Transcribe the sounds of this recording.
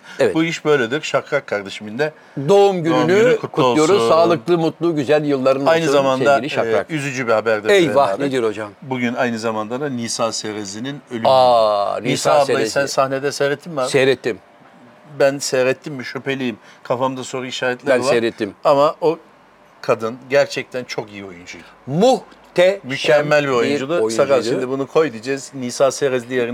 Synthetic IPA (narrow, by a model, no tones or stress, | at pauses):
ɛvɛbuiʃbø̞jlʲed̪iɾʃakɾakʰːaɾd̪eʃimind̪ɛ | d̪o̞umɟynynykʰut̪kʰut̪ːˠujoɾumsaːlˠɯklˠɯmut̪lˠuːɟyzælʲjɯlˠːaɾɯnajnɯzamanaɾiʃaɾakyzyd͡ʒybihabæɾd̪ɛɛjvah̪ʲed̪iɾo̞d͡ʒambuɟynajnɯzamand̪ad̪aniːsaːseɾezininølyanisaajsænsahned̪ɛsɛɾɛt̪ʰːimmasejɾɛt̪ʰːim | bænsɛɾɛt̪ʰːimmiʃypʰe̞lʲijimkʰafamd̪asonɾaiʃaːɾɛt̪lʲevaeɾɛt̪ʰːimamaʔo | kʰad̪ɯnɟæɾt͡ʃʰɛc̚t̪ʰænt͡ʃʰo̞kijio̞jund͡ʒu | muht̪ʰɛmycʰɛmːælʲbio̞jund͡ʒulˠɯsakanʃimd̪ibunukʰo̞jd̪ɯd͡ʒɛzniːsaːseɾɛzd̪ʲijeɾi